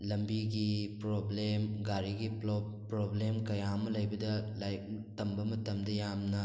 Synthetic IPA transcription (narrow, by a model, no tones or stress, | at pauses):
lɐmbiɡipɾoblemɡaɾiɡi | pɾoblemkɐjamɐlɐjbɐdɐlajk̚tɐmbɐmɐtɐmdɐjamnɐ